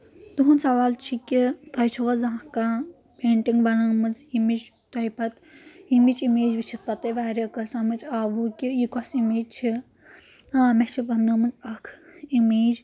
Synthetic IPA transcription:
t̪uɦunsɐʋaːlt͡ʃʰikʲit̪ɐjt͡ʃʰɐʋɐzãka | peːɳʈiŋɡʋɐnaːmɨzimit͡ʃt̪ɐjpɐt̪ | imit͡ʃimeːd͡ʒʋit͡ʃʰit̪̚pɐt̪eʋaːɾʲjɐkɐɾsãmɨt͡ʃaːʋukʲijikɔsimeːd͡ʒt͡ʃʰi | aːmet͡ʃʰiʋɐnɐmɨt͡sɐkʰimeːd͡ʒ

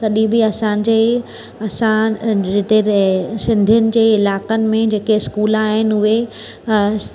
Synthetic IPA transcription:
kɐɗĩbɪɐsãd͡ʑeː | ɐsãd͡ʑet̪esɪ̃nd̪ʱijʊnɪ̆d͡ʑeːɪlaːkənɪ̆mẽd͡ʑeːkeɪskuːlaːɦɪnɪ̆ʊɦe

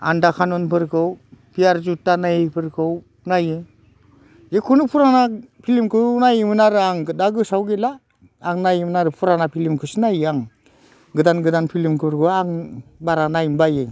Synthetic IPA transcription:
a̰ndakʰanunpʰɯɾkʰɯwpʰijaɾzutːanajipʰɯɾkʰɯw | najɯ | zekʰunɯpʰuɾanapʰilimkʰɯnajimɯnaɾɯaŋɡɯdaɡɯsawɡelaː | ŋnajimɯnaɾɯpʰuɾanapʰilimkʰɯsinajiaŋ | ɡɯdanɡɯdanpʰilimkʰɯɾkʰɯwaŋbaɾanajimbaje

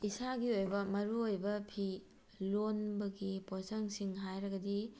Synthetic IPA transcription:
isaɡiojbɐmɐɾuojbɐpʰi | lonbɐɡiposɐŋsiŋɦajɾɐɡɐdi

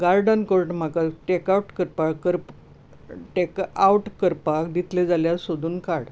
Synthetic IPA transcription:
ɡaɾɖənkoɾʈm̤akaʈekauʈkəɾpakəɾp | ʈekawʈkəɾpakd̪it̪ʰled͡zaljasod̪ʱuːnkaɽ

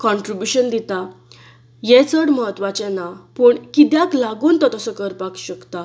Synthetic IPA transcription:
kɔ̃ɳʈɾibjuɕənd̪it̪a | jɛt͡səɽməɦət̪ʋat͡ɕɛ̃napəɳkid̪jaklaɡuːnt̪ɔt̪əsɔkəɾpakɕəkt̪a

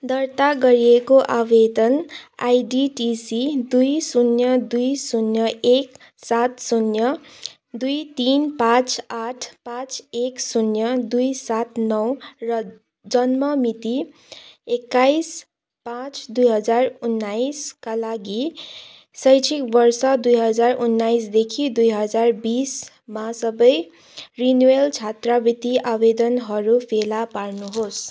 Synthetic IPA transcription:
d̪ʌrt̪aɡʌɾiekoʔabed̪ʌnajɖiʈisid̪ujsunjʌd̪ujsunjʌʔek | sat̪sunjʌ | d̪ujt̪inpãt͡saʈʰpãt͡seksunjʌd̪ujsat̪nʌwrʌ | d͡zʌnmʌmit̪i | ekːajs | pãt͡sd̪ujɦʌd͡zarunːajskalaɡi | sʌjt͡sʰikbʌrsʌd̪ujɦʌd͡zarunːajsd̪ekʰid̪ujɦʌd͡zarbis | masʌbʌj | rinuelt͡ʃʰat̪rʌbit̪iʔabed̪ʌnɦʌɾupʰelaparnuɦos

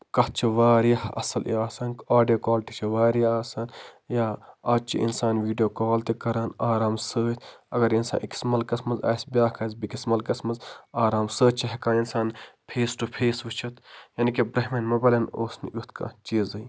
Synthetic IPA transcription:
kɐh̚t͡ʃʰiʋaːɾijɐhɐ̰sɐlʔḭaːsɐːnkaːɖijoːkaːlʈit͡ʃʰiʋaːɾiaːsaːnjaːɐːt͡ʃʰḭʔḭnsaːnʋiːɖjoːkaːlt̪ikɐɾaːnaːɾaːmsəːt̪ʰɐɡɐɾinsa̰ːnʔiki̥smɐlkɐsmɐzɐ̰ːsbʲaːkʰɐzbikismɐlkɐsmɐzaːɾaːmsəːt̪̚t͡ʃʰɐɦɐkaːinsaːnpʰeːsʈupʰeːsʋɨt͡ʃʰɐt̪jɐːnikebɾɐɦmenmɐbɐlʲɐnoːsnijut̪ʰka̰ːt͡ʃiːzɐi

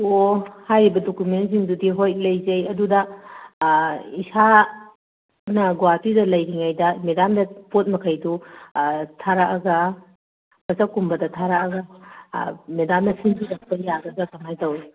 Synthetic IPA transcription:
ohajɾibɐdokumentziŋdudiɦoj̚lɐjzɐjɐdudɐ | isa | nɐɡwapʰidɐlɐjdiŋajdɐmedandɐpot̚mɐkʰɐjdu | tʰaɾaʔɐɡɐ | pɐzakumbɐdɐtʰaɾaɐɡɐ | medamnɐsiŋtizɐk̚pɐjaɡɐɡɐkɐmajtɐwi

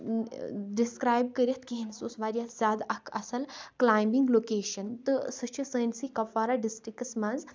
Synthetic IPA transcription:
ɖiskɾaːjb̚kəɾiɐt̪ʰkiɦinsosʋaːɾʲijaːt̪ʰzʲaːd̪ɐkʰɐ̰sɐlklaːjmiŋɡloːkeːʃɐnt̪ɨsɨt͡ʃʰɨsəːnsikɐfaːɾaːɖisʈɾikɐsmãnz

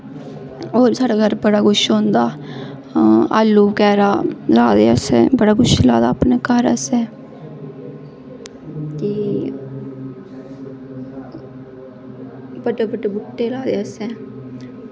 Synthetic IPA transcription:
oːɾsaːɖaːɡəɾbəɽaːkʊʃɦõːnd̪aː | a̰ːlːuːkɛːɾaːlaːd̪eːəsɛ̰ːbəɽaːɡʊʃla̰ːd̪aːpneːkəɾə̰sɛː | ki | bəʈeːbəʈeːbʊʈːeːlaːd̪eːəsɛː

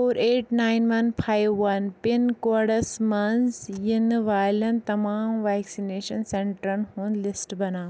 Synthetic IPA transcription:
oːɾeːʈnaːjnʋɐnfʰaːjʋːɐnpɪnkoɽɐsmɐnsjinʋaːlɐnt̪ɐmaːmʋɛːksineːʃɐnsẽɳʈɾɐnɦunlɪsʈbɐnaː

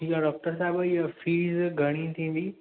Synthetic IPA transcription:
ʈʰiːkaɖɔːk̚ʈəɾs̬aːɪbiəfiːzɡʱɐɽ̃ĩt̪ʰĩːnd̪iː

